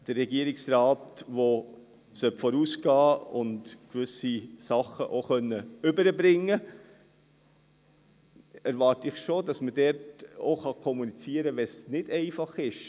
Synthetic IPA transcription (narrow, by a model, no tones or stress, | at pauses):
d̥ərːɛɡiəɾɪksɾɑːtʋo | sœpfɔɾuːsɡ̥ɑːʊndkʋʏsisɑχəʔoχœnːəʏbəɾəbɾɪŋːə | æɾvɑːɾtɪχʃodɑsmədɛɾtoχɑkʰɔmunit͡siəɾəʋɛsnɪd̥ɛɪfɑχɪʃ